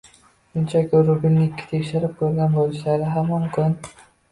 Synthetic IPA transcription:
ʃʊnt͡ʃʰakʲɪɾʊbɪlʲnɪkʲʰːɪ̥t̪ʰekʲʃɪɾɪp̚kʰɵɾɡʲanbolɪʃlaɾɪɦamːɒnkʰʊn

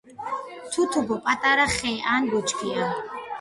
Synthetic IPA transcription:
t̪ʰut̪ʰupʰɔpʼat̪ʼaɾaχɛjʔaːnɡɔt͡ʃʰʼkʰia

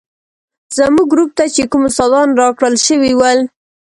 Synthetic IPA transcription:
z̥əmuɡɾup̚t̪at͡ʃekumʊst̪ɑd̪ɑnɾɑkɽəlʃəwiwəl

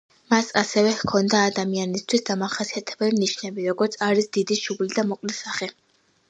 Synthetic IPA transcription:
masasɛvɛhkʰɔnd̪aːd̪amianist̪ʰwisd̪amaχasiat̪ʰɛbɛlimniʃnɛbiɾɔɡɔɾt̪sʰaɾisd̪id̪iʃublid̪amɔqʼlisaχɛ

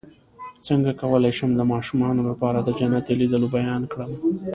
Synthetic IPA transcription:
t͡səŋɡakawəlajʃəmd̪əmɑʃumɑnolapɑɾad̪əd͡ʒanat̪elid̪əlobajɑnkɽəm

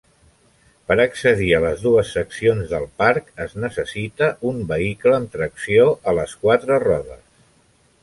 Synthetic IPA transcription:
pəɾəksəðiələzðuəsːəksionzðəlˠpaɾkəznəsəsit̪əʔumbəikləːmt̪ɾəksioʔələskwat̪ɾərɔðə̰s

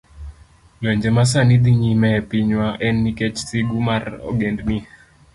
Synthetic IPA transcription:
lɔɲd͡ʒɛmas̬anid̪iɲimɛpiɲwaʔɛnːiket͡ʃsiɡumarɔ̰ɡendni

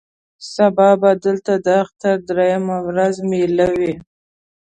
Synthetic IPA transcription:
sabɑbad̪əlt̪ad̪əaxt̪aɾd̪ɾajamawɾazmelawi

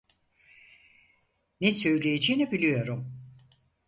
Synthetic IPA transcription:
nesø̞jlʲejed͡ʒejinibilʲijo̞ɾum

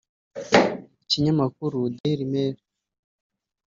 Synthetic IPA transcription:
iciɲamakuɾudeiɾimeːɾe

